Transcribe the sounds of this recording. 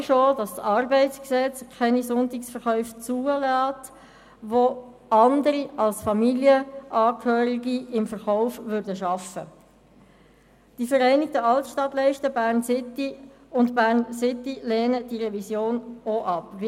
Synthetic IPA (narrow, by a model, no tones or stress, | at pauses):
ʃoːdɑssɑrbɛɪtt͡sksɛt͡skʰɛnisʊntɪksfəɾχœʏft͡suːəlɑːt | ʋo | ɑndəɾiɑlsfɑmiljəʔɑːkʰhøːɾɪɡiɪmfəʁχɔʊfvʏɾdəʃɑfə̰ | d̥ifəɾæɪnɪk̚təɑltʃtɑtlɛɪʃtəbæːʁnsɪtːi | ʊntbæːʁnsɪt̪ːileːnəd̥iʁɛvisjoːnoʔɑpv